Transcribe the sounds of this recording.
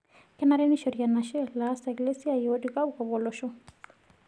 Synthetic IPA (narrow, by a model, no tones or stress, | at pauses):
kɛnaɾɛniʃɔɾianaʃɛlaːsaɡlesiaiɔdikaukɔβɔlɔʃɔ